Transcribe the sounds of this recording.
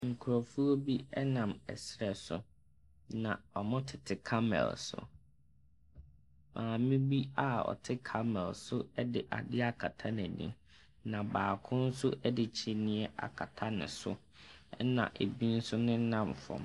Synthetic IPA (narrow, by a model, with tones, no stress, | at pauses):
ŋ̩˨kʰʊ˨ɾɔ˨fu˦o˦bi˦ɛ˦nã˨mɛ̰˨sɾɛ˨sʊ˨ | nã˨ɔ˨mʊ̃˦tʰɪ˨tʰɪ˨kʰa˦mɛ̰˨lsʊ̰˨ | mʔãː˨mɪ̃˦bi˦a˦ɔ̰˨tʰɪ˦kʰa˦mɛ˨lsʊ˦ɛ˦dɪ˦˨ʔa̰˨dɪ˦a˦˨kʰa˨tʰa˦næ˨nḭ̃˦m | nã˨baː˨kʰʊ̃˦n̩˦sʊ˦ʔɛ˦dɪ˨t͡ɕʰi˦nĩ˦ɛ˨ʔa̰˨kʰa˨tʰa˦nɪ̰̃˨sʊ̰˦ | ɛ˦nã̰˨ʔe˨bi˦n̩˦sʊ˦nɪ̃˦nã˦˨mfɔ̰̃˨m